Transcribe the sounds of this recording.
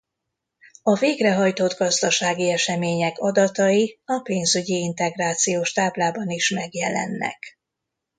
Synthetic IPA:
ɒveːɡrɛɦɒjt̪od̪ɡɒzd̪ɒʃaːɡiɛʃɛmeːɲɛkɒd̪ɒt̪ɒjiɒpeːnzyɟiint̪ɛɡraːt̪sijoːʃt̪aːblaːbɒniʃmɛɡjɛlɛ̰nːɛ̰k

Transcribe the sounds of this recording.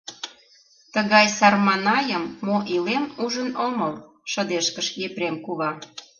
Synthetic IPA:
t̪əɣɑjsɑrmɑnɑjəmːoʔilemuʒənoməl | ʃə̆d̪eʃkəʃjeprʲemkuβɑ

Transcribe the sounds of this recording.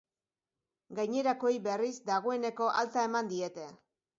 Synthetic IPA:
ɡajɲe̞ɾako̞jbe̞rizd̪aɣ̞o̞e̞ne̞ko̞ʔalt͡s̪ae̞mand̪ie̞t̪e̞

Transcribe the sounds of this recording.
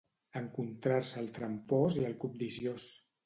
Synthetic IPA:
əŋkunt̪ɾaɾsəːlˠt̪ɾəmpɔziəlˠkup̚d̪izjos

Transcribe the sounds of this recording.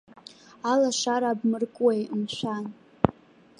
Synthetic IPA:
alaʂaɾabmɨrkʼwejmʃʷan

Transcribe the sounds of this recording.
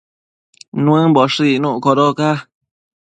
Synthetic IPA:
nũẽboʂinũʔkoɾoka

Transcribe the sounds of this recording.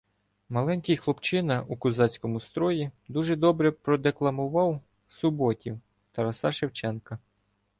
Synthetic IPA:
mɐlˠɛnʲkɪjxlˠɔpt͡ʃɪnɐʔukʊzɑt͡sʲkɔmʊst̪ɾɔjid̪uʒɛd̪ɔbɾɛpɾɔd̪eklˠɐmʊʋɑw | sʊbɔtʲiw | t̪ɐɾɐsɑʃewt͡ʃɛnkɐ

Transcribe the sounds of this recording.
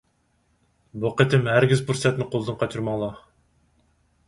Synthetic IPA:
buqət̪ʰɪmhæɾɡʲizpʰuɾsɛt̪nɪqʰolˠɨd̪ɨnqʰɑt͡ʃʰuɾmɑŋlˠɑ

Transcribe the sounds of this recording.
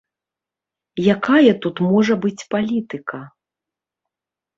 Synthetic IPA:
jakajɐt̪ut̪mɔʐɐbɨt͡sʲpalʲit̪ɨkʰɐ

